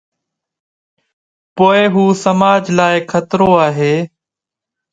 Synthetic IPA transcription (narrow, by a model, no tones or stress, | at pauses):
poːeɦuːsəmaːd͡ʒlaːɪkʰət̪ɾoːaːɦeː